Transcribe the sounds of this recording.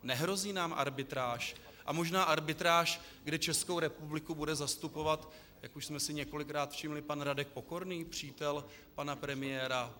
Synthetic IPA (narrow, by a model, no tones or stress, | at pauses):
nɛɦɾo̞ziːnaːmʔa̰ɾbɪt̪ɾaːʃ | ʔamo̞ʒnaːʔaɾbɪt̪ɾaːʃ | ɡdɛt͡ʃɛsko̞wɾɛpublɪkubudɛzast̪upo̞vat̪ | jakuʃsmɛsɪɲɛko̞lɪkɾaːt̪fʃɪmlɪpanɾadɛk̚po̞ko̞ɾniːpr̝̥iːt̪ɛl | panapɾɛmɪjɛːɾa